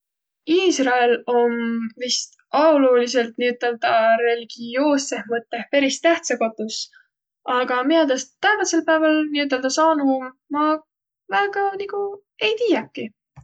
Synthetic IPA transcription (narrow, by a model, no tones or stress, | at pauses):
iːsrɑelo̞mvist̪ | ɑwlulise̞lt̪niyt̪ːˑeld̪ɑɾe̞liɡ̥io̞ːsːe̞hmɤt̪ːˑe̞hpe̞ɾist̪æht̪seko̞t̪ːˑus | ɑɡ̥ɑmiɑd̪ɑst̪ːævɑse̞lpæevɑlniyt̪̬ːˑe̞ld̪ɑsɑːnum | mɑ | væːɡ̥ɑniku | e̞jt̪iːjɑkːˑi